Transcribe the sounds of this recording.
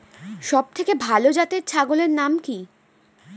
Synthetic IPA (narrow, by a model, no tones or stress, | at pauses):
ʃɔb̚t̪ʰekebʱalod͡ʑat̪eɾt͡ɕʰaɡoleɾnamki